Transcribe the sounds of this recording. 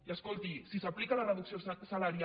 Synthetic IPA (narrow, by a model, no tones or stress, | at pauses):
iaskolˠt̪isisaplikalarəðuksiossalaɾja